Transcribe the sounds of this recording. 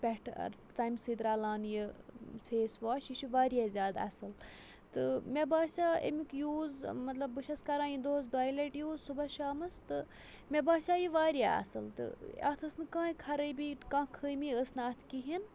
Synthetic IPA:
pʲɛʈʰɐ̰ɾt͡saːjmsiːd̪ɾaːlaːnjifeːsʋaːʃiʃuʋaːɾijaːzʲjaːd̪ɐ̰sɨl | t̪ɨmʲebaːsʲaːḛmikjuːzmɐt̪lɐbːɨʃɐskɐɾãːjid̪oːzd̪aːjleʈjuːzsubɐʃaːmɐst̪ɨ | mʲebaːsʲaːjiʋaːɾja̰ːɐ̰sɨlt̪ɨ̰ɐ̰t̪ʰəsnɨkãːikʰɐɾəjbikãːkʰəːmiəsnɐːt̪ʰkiɦin

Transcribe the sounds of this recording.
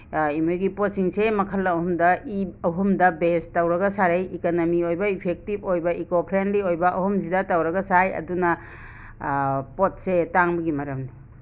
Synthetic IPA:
imojɡipot̚siŋsemɐkʰɐlːɐːhumdɐiɐɦumdɐbestawɾɐɡɐsaɾejikanomiojbɐipʰek̚tipojbɐikopʰɾenliojbɐʔɐhumzidatawɾɐɡɐsajɐ̰dunɐ | pot̚setaŋbɐɡimɐɾɐmni

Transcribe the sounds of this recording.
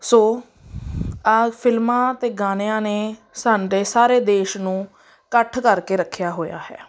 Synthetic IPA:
soː | pʰɪlmãːt̪eːɡaːneãːneː | saːɖeːsaːɾeːd̪eːʃnũː | kəʈʰkəɾkeːɾəkʰːjaːɦoːja̰ːɦɛ̰ː

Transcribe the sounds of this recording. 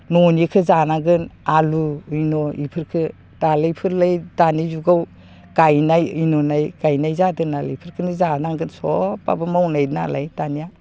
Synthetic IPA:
nɔnikʰɯzanaŋɡɯnaluɯjnɔipʰɯɾkʰɯ | d̥alajpʰɯɾlajdanizuɡaw | ɡ̥ajnajɯnɔnajɡajnajzadɯnalajpʰɯɾkʰɯnizanaŋɡɯnsɔpa̰bɯmawnajna̰la̰jdanija

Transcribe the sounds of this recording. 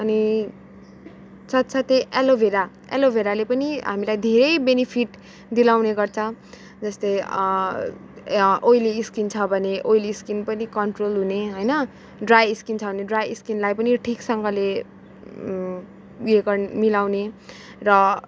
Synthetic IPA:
ʌni | t͡sʰʌt̪t͡sʰʌt̪eʔelobʱeɾa | ḛlobʱeɾalepʌniɦa̰milajd̪ʱeɾʌjbenipʰiʈ | d̪ilawneɡʌrt͡sʰʌ | d͡zʌst̪ʌj | ojliːskint͡sʰʌbʱʌneʔojliːskinpʌnikʌɳʈrolɦuneɦʌjnʌ | ɖrajiskint͡sʰʌbʱʌneɖrajiskinlajpʌniʈʰiksʌŋɡʌle | uekʌnmilawne | rʌ

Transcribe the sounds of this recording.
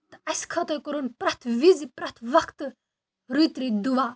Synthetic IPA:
t̪ɐskʰɐt̪əɾkɔɾunpɾɐt̪ʰʋizipɾɐt̪ʰʋɐkt̪ | ɾut̪ɾid̪uʋaː

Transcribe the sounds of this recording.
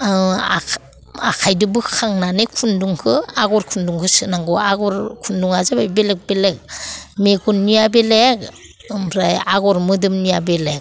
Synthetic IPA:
a | akʰajdɯbɯkʰaŋnanekʰunduŋkʰɯaɡɔɾkʰunduŋkʰɯsɯnaŋɡɔaɡɔɾkʰunduŋazabajbelek̚belek̚meɡunnːijabelek̚ | ɯmɾajaɡɔɾmɯdɯmnijabelek̚

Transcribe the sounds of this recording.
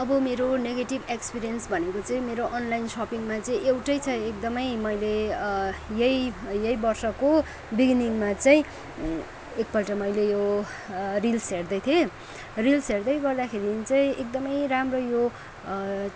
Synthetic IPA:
ʌbʌmeɾoneɡeʈibekspiɾijʌnsbʱʌnekot͡saĩmeɾoʔʌnlajnsʌpiŋmat͡saĩʔewʈʌjt͡sʰʌek̚d̪ʌmʌjmʌjle | jʌjjʌjbʌrsʌko | biɡniŋmat͡saĩ | ek̚pʌlʈʌmʌjlejo | rilsɦerd̪ʌjt̪ʰie | rilsɦerd̪ʌjɡʌrd̪akʰeɾit͡saĩek̚d̪ʌmʌjramrojo

